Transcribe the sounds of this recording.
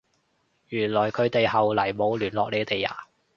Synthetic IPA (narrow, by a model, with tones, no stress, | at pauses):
jyː˨˩nlɔː˨˩jkʰɵ˨˧ɥt̪e˨jhɐ˨wlɐ˨˩jmo˨˧wlyː˨˩nlɔː˨k̚le˨˧˥t̪e˨jːa̰ː˨˩